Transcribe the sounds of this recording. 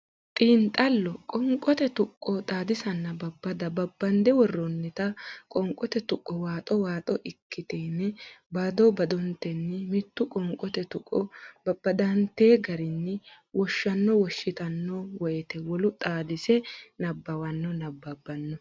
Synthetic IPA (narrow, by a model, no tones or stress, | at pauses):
t̪ʼiːnt̪ʼɐlːɔkʼɔŋkʼːɔt̪ɛt̪ʊkʼːɔt̪ʼaːd̪ɪsɐnːɐbɐbːɐd̪ɐbɐbːɐnd̪ɛwɔrːɔnːɪt̪ɐkʼɔŋkʼɔt̪ɛt̪ʊkʼːɔwaːt̪ʼɔwaːt̪ʼɔʔɪkʰːɪt̪eːnːɛbad̪ɔbɐd̪ɔnt̪ːɛnːɪmɪt̪ːʊkʼɔŋkʼɔt̪ɛt̪ʊkʼːɔbɐbːɐd̪ɐnt̪e̞ːɡɐɾɪnːɪ | wʔɔʃːɐnːɔwɔʃːɪt̪ɐnːɔwɔjɛt̪ɛwɔlʊt̪ʼaːd̪ɪsɛnɐbːɐwɐnːɔnɐbːɐbːɐnːɔ